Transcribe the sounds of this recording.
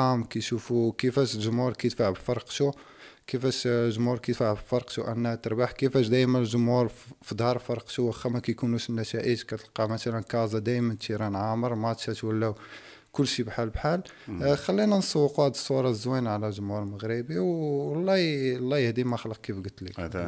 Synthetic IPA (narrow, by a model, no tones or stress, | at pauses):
æmkæjʃufukəfæʃlʒʊmhuɾˤkæjt̪faʕbfɑɾˤqʃu | kəfæʃʒʊmhuɾkæt̪faʕbfɑɾqʃuʔænːæhæt̪əɾˤbaħkəfæʃd̪æjmənlʒʊmhuɾfid̪ˤhɑɾˤfɑɾˤqʃuwəxːæmækæjkunuʃnːæʃæʔiʃkæt̪əlqɑmæsælænkɑzˤɑd̪æjmənt̪ʃiɾˤɑnʕaməɾˤmæt̪ʃæt̪wælːæ | kʊlːʃibħalbħal | xælːinænsˤɑwːəquæd̪əsˤːuɾˤɑzwinʕlælʒʊmhuɾməɣɾibiwlˤːɑlˤːæjəhd̪imæxələq̚kifɡət̪ːli